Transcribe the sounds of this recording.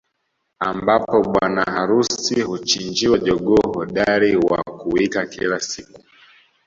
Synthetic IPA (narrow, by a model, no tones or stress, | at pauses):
ambapɔɓwanaaɾusihut͡ʃind͡ʒiwaʄɔɠɔhɔɗaɾiwa̰kuwikakḭlasiku